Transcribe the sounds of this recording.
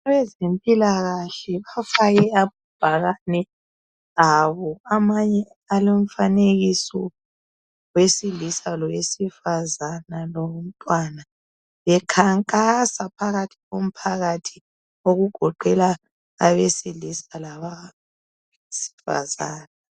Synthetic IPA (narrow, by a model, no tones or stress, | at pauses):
aβɛzempʼilaɣaɬɛβafajɛap̚ʰub̥ʱaɣanɛ | aβɔamaɲɛ | alom̩faneɣisɔ | wesilisalɔwesifazanalom̩tʼwana | βɛkʰaŋkʼasapʰaɣatʰi̥ɣom̩pʰaɣatʰi̥ | oɣuɡ̥ʱɔǃʱɛla | aβesilisalaβa | esi̥fa̰za̰ːna